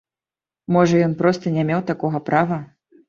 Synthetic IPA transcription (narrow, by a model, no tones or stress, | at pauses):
mɔʐɐjɔnpɾɔst̪ɐnʲɛmʲewt̪akɔɣɐpɾavɐ